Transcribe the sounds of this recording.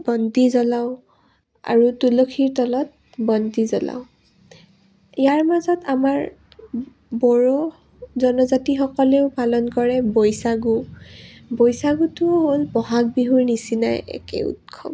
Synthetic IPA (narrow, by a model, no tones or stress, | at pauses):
bɔndizɔlaw | a̰ɹutulokʰiɹtɔlɔt̚ | bɔndizɔla̰ʊ | ijaɹmazɔtamaɹ | bɔɹɔ | zɔnɔzatixɔkɔleʊpalɔnkɔɹɛbojsaɡu | bojsaɡutʊɦolbɔɦak̚biɦuɹnisinajɛ̰kɛ̰ṵtkʰɔ̰m